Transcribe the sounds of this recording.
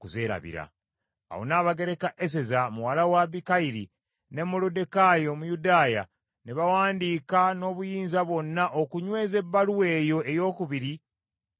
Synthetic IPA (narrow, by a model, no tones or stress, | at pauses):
kuze̞ːɾa̰βḭɾa̰ː | wo̰naːβaɡe̞ɾe̞kaʔes̬e̞zamuwalawaβikaiɾi | ne̞mulode̞kajo̞mujudaːja̰ | neβawaːndiːkano̞ːβujiːnzaβo̞nːaʔokuɲwe̞ːze̞bːaluwe̞ːjo̞e̞jo̞ːkuβiɾi